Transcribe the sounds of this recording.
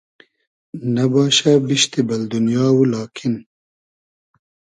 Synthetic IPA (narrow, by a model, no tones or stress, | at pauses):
nɐbɑːʃabiʃt̪ibɐld̪unjɑːwulɑːkʰɪn